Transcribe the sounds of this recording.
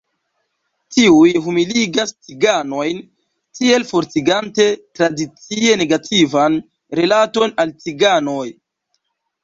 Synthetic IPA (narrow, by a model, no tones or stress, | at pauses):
tiujɦumiliɡast͡siɡano̞jn | tie̞lfo̞ɾt͡siɡante̞tɾadit͡sie̞ne̞ɡatʰivan | ɾelato̞nalt͡siɡanoj